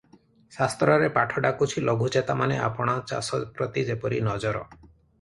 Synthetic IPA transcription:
sast̪ɾɔɾepaʈʰɔɖakut͡ʃʰilʔɔɡʱud͡ʒet̪amanea̰pɔɽ̃ɔt͡ʃa̰sɔpɾɔt̪id͡ʒepɔɾinɔd͡ʒɔɾɔ̰

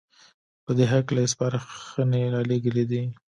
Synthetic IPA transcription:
pəd̪eɦaklaɪspɑɾaxəneɾɑleɡəled̪i

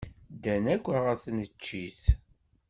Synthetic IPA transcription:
d̪ænækʷːəʁæθnət͡ʃːiθ

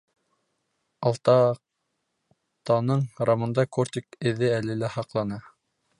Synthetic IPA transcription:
ɑlˠt̪ɑ | t̪ɑnɤɴɾamɤ̆nd̪ɑkort̪ʲikɘ̆ðɘælɘlæhɑqlˠɑnɤ

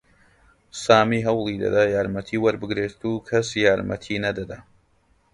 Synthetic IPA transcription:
saːmiɦɐwlˠid̪ɐ̰d̪ajaːɾmɐt̪ʰiːwɐɾbɨɡɾeːt̪ʰukʰɐsjaːɾmʔɐ̰t̪ʰinɐd̪ɐd̪ɐ

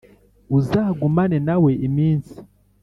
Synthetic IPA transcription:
uzaːɡumanenawe̞ʔimiːnsi̥

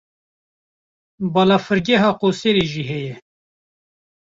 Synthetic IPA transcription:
bɑːlɑːfɨɾɡɛɦɑːqoːseːɾeʒiːɦɛjɛ

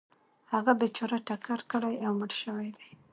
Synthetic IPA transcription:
haɣabet͡ʃɑɾaʈakaɾkəɽajawməɽʃəwajd̪aj

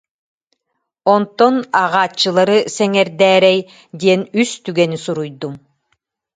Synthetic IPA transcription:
ɔnt̪ɔnaʁaːt͡ʃːɯlˠaɾɯsɛŋɛɾd̪ɛːɾɛj | d̪iɛnyst̪yɡɛnisuɾujd̪um

